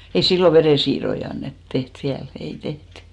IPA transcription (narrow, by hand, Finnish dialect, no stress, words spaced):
ei silːo ʋereˑsiːrˑoi ɑnːet teht ʋiæl ei tehty